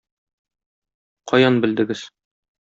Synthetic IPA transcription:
qʰɒjɑnbɘ̆ld̪ɘ̆ɡɘz̥

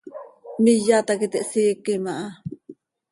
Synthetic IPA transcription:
mijat̪akit̪eʔsikimaʔa

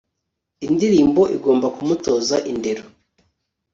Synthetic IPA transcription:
indiɾiːmbo̞ʔiɡo̞ːmbakumuto̞ːzaʔinde̞ɾo

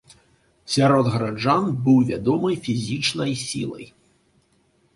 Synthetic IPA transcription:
sʲaɾɔd̪ɣɐɾad͡ʐanbɨwvʲad̪ɔmɨjfʲizʲit͡ʂnɐjsʲḭlˠɐ̰j

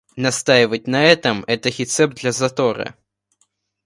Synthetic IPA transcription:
nast̪ajvɐt͡sʲnɐɛt̪ɐmɛt̪ɐɣʲɛt̪sɛp̚d̪lʲɐzat̪ɔɾɐ̰

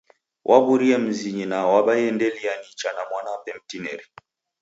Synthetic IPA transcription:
wʔabuɾiɛm̩ziɲinawaɓajɛndɛlianit͡ʃanamwanapɛmtinɛ̰ɾi

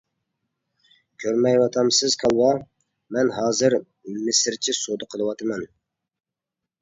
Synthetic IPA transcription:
kʲʰøɾmɛjwɑt̪ʰɑmsɨz̥kʰɑlˠwɑ | mɛnɦɑːzɨɾ | mɪsɪɾt͡ʃʰisod̪əqʰəlˠəwɑt̪ʰɨmɛn

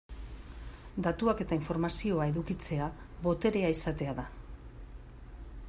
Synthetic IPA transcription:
d̪at̪uake̞t̪aiɱfo̞ɾmasio̞ae̞ðukit͡se̞a | βo̞t̪e̞ɾe̞aisat̪e̞aða

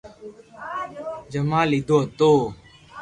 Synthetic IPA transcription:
d͡ʒəmãːlid̪oːt̪oː

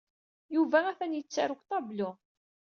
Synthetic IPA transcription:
juvææθænjət͡sːaɾʊkt̪ˤɑblʊ

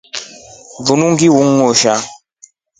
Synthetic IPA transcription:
vunuŋɡiwuŋːɔʃa

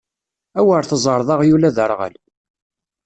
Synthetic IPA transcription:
æwəɾθəzˤəɾˤðˤɑʁjulæðəɾˤʁə̰l

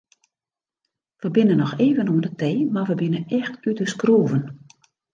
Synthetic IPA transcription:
ʋəbɪnənɔxeːvənudətʰejmarʋəbɪnəɛxtytəskruːvən

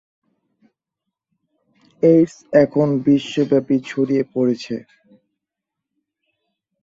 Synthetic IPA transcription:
eɾsɛkʰonbiʃːobɛpit͡ɕʰoɾiepoɾet͡ɕʰe

